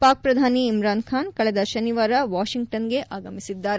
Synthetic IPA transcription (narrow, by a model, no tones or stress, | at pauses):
paːk̚pɾɐd̪ʱaːniːmɾaːnkʰaːnkɐɭɛd̪ɐʃɐniʋaːɾɐʋaːʃiŋɡ̚ʈɐnɡe̞ʔʔaːɡɐmisid̪ːaːɾ